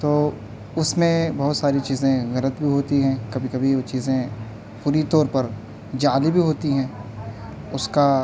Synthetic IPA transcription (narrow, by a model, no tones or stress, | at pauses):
t̪oː | ʊsmẽbɐɦʊt̪saːɾit͡ʃiːzẽɣɐlət̪bʱiɦoːt̪iɦɛ̃kɐbʱikɐbʱiot͡ʃiːzẽ | puːɾit̪ɔːɾpɐɾ | d͡ʒaːlibʱiɦoːt̪iɦɛ̃ː | ʊska